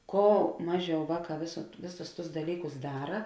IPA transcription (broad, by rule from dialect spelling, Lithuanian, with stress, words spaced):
ˈkoː ˈmɑːˌʒʲɛʊ ˈʋɑːˌkɑː ʋʲeːs ˈʋʲeːˌsʊs tʊs dɐˈlʲiːkʊs ˈdɑːrɐ